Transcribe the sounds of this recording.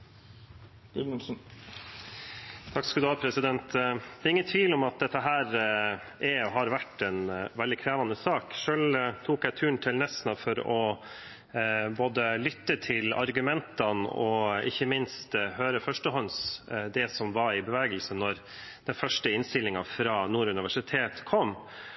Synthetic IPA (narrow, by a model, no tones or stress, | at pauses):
t̪ʰɑkskɑld̪ʉɑːpʰɾɛsɪd̪ɛnt̪d̪ɛːɾɪŋːənt̪ʰʋiːlɔmɑt̪̚d̪ɛt̪ːəɦæːɾʔɛɔɦɑɾʋæʈːɛnʋɛld̪ɪkʰɾæːʋɑnəsɑːkʂøːɭt̪ʰuːkæɪt̪ʰʉːɳt̪ʰɪlnɛsnɑfɔɾɔ | boːd̪əlʏt̪ːət̪ʰɪlɑ̰ɾɡʉmɛnt̪ɑnɔɪ̰çːəmɪnst̪høːɾəfœʂʈəhɔnsd̪ɛsɔmʋɑɾɪbəʋeːɡəlsənɔɾ | d̪̥ɛnfœʂʈəɪnst̪ɪlːɪŋɑfɾɑːnuːɾʉnɪʋæʂɪt̪ʰeːt̪kʰɔmː